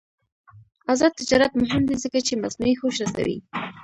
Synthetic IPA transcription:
azɑd̪̚t̪ɪd͡ʒɑɾat̪mʊɦɪmd̪izəkat͡ʃemasnuixoʃɾasa̰wḭ

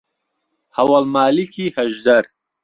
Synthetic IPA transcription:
hɐwalmaːlikʰiːhɐʒd̪ɐɾ

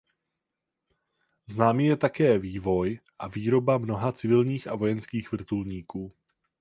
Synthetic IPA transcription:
znaːmijɛt̪akɛːviːvo̞jʔaviːɾo̞bamno̞ɦat͡sɪvɪlɲiːxʔa̰vo̞jɛnskiːxvr̩t̪ulɲiːkuː

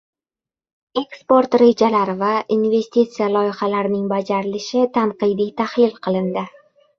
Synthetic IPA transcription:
e̞kspo̞ɾt̪ɾe̞d͡ʒalaɾɪvaʔinve̞sʲt̪it̪sijalˠɒjɪχalaɾɪnɪŋbad͡ʒaɾɪlɪʃɪt̪ʰanqɨjd̪ijt̪ʰahlɪlqʰɨlˠɪnd̪ɪ

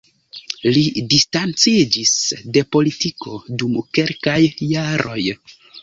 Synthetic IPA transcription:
lidistant͡sid͡ʒisde̞po̞litiko̞dumke̞lkajːaɾo̞̰j

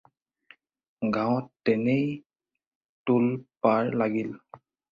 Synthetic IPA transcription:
ɡãwɔtːɛnej | tulpaɹlaɡil

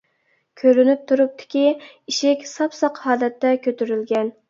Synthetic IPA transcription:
kʲʰøɾynyp̚t̪ʰuɾup̚t̪ʰɪ̥kʲi | iʃɪkʲsɑpsɑqhɑːlɛt̪ːɛkʲʰøt̪yɾylɡʲɛn

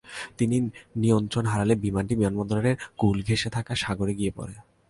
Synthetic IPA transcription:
t̪ininiont̪ɾonɦaɾalebimanʈibimanbɔnd̪ɾoɾeɾɡulɡʱeʃet̪ʰakaʃaɡoɾeɡiepɔ̰ɾe

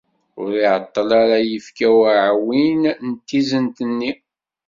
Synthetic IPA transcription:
ʊɾiʕət̪ˤːəlaɾajəfkæwʕwinnət̪ːizənt̪ənːi

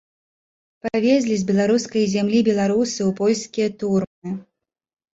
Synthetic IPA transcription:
pavʲezʲlʲizʲbʲɛlˠaɾuskɐjzʲamlʲibʲɛlˠaɾusɨupɔlʲskʲijɐt̪urmɨ

